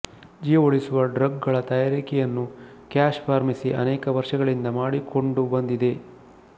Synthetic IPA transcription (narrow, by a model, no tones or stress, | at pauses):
d͡ʒijɐoɭisuʋɐɖɾɐɡɡɐɭɐt̪ɐjaːɾikɛjɐnːu | kaːʃpaːɾmisiʔɐnɛːkɐʋɐɾʂɐɡɐɭind̪ɐmaːɽiko̞ɳɖubɐnd̪id̪e̞